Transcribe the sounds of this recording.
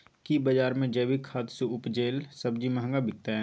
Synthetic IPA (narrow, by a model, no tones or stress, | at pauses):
kibɐd͡ʒaːɾmẽd͡ʒɛːbikʰaːt̪seʊpd͡ʒeːlsɐb̚d͡ʒimɐɦə̃ŋɡabɪk̚t̪aɦɛ̃